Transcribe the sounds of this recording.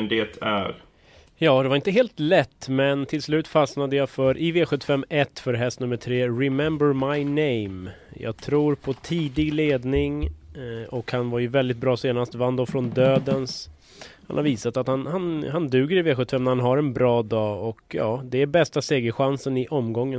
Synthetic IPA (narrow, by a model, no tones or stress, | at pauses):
nd̪eːt̪ʰæ̰ɾ | jɑːd̪ɛvaɾɪnt̪əɦeːlt̪lɛt̪ːmɛnt̪ʰɪlslʉ̟ːt̪fasnad̪əjafœɾʔɪveːɧɵt̪ːə̥fɛmːɛt̪ːfœɾɦɛst̪nɵmːəʈʰɾeːɾɪmɛmbəɾmajnɛjm | jɑ̰ːɡ̚t̪ʰɾuːɾpʰɔt̪ʰiːd̪ɪɡleːd̪nɪŋ | ɔkhanvaɾjɵvɛld̪ɪt̪̚bɾɑːseːnast̪vand̪ɔfɾɔnd̪øːd̪əns | hanhaɾviːsat̪at̪hanhanhand̪ʉ̟ːɡəɾɪveːɧɵt̪ːəfɛmnæɾhanɦaɾɛnbɾɑːd̪ɑːɔkjɑ̰ːd̪ɛæɾbɛst̪aseːɡəɧansənɪʔɔmɡɔŋːən